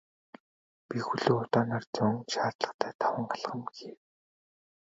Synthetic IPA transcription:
pixuɮuːʊt̪ɔːnaːrt͡sʊŋʃaːtt̪ɮə̥̆χt̪ʰæːt̪ʰawə̆ɴɢaɮχə̆mɡiː

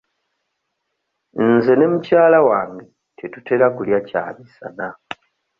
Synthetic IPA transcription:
nze̞ne̞mucaːlawaːŋɡe | tʰetute̞ɾakuljaca̰ːmisa̰na

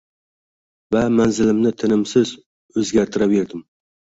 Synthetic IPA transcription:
vamanzɪlɪmnɪt̪ʰɪnɪmsɪz | ɵzɡʲaɾt̪ʰɪɾabe̞ɾd̪ɪm

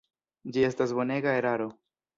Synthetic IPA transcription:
d͡ʒie̞stasbo̞ne̞ɡae̞ɾaɾo̞

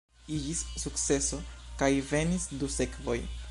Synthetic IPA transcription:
iɡissukt͡sse̞so̞kajve̞nisd̪use̞kvo̞̰j

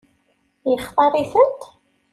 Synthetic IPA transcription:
jəχt̪ˤɑɾˤiθənt̪

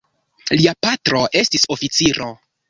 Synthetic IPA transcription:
liapatɾo̞ʔe̞stiso̞fit͡siɾʔo̞

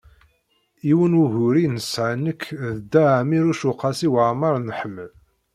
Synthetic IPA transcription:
iwənuʝʊɾinəsʕənəkːðəd̪aʕmiɾuʃʊqːɑsiwəʕmɑɾˤnħəmːəl

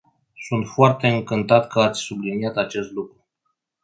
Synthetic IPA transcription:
sunt̪foart̪e̞ɨŋkɨnt̪at̪kʰəat̪sʲsublinijat̪at͡ʃe̞st̪lukɾu

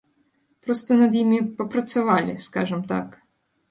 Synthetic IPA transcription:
pɾɔst̪ɔnɐd̪jimʲipɔpɾɐt̪sʲɐʋɑlʲɪ̰skɑ̰ʒɛmt̪ɑ̰k

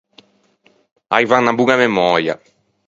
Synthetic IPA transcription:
ajvaŋnabuɡamemɔɾja̰

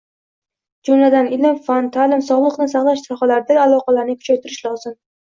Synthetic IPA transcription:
d͡ʒʊmlad̪anɪlɪmfant̪ʰalɪmsɒlˠɨqnɪsɑχlˠaʃsɒχalaɾd̪aalˠɒqɑlaɾnɪkʰʊ̥t͡ʃʰajt̪ʰɪɾɪʃlˠɒzɪm

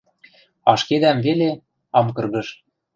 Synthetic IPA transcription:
ɑʃked̪æmvele | ɑmkɤ̆rɣɤ̆ʃ

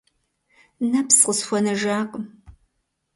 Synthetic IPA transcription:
nɐpsqəsxʷɔnɐʒaːqʼəm

